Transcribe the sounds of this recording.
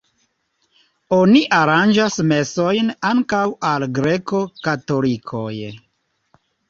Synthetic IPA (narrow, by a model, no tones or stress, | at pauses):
o̞niʔaɾand͡ʒasme̞so̞jnaŋkawalɡɾe̞ko̞kato̞likʰo̞̰j